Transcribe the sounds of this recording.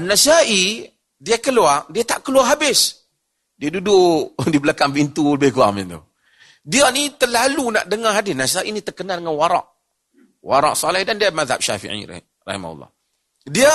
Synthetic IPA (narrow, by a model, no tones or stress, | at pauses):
nːasaʔi | diakəluardiat̪aʔkəluaɦabɪs | diadudʊdibəlakaŋpint̪uləbɪhkua̰mɪnt̪ṵ | dianit̪əlaluna̰ʔdəŋaɦadɪnasaʔinit̪ərkənaldəŋanwaɾɑ̰ʔ | wa̰ɾɑ̰ʔsɔlɛhdandiamaðha̰p̚ʃa̰fḭʕḭ | ra̰hima̰hṵlːɑ̰h | dia